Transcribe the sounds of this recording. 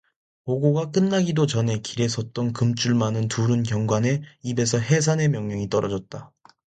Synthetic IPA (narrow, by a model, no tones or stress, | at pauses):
oɡoɡak͈ɯnːaɡidot͡ɕʌne̞kiɾe̞sʰʌt̚t͈ʌnkɯmt͡ɕ͈uɭmanɯntuɾɯnkjʌŋɡwane̞ibe̞sʰʌɦe̞s̬ʰane̞mjʌŋɲʌŋit͈ʌɾʌd͡ʑʌt̚t͈a